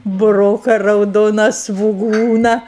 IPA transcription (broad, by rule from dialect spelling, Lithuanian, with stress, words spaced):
bʊˈroːkɐ rɐʊˈdoːnɐ sʋʊˈɡuːnɐ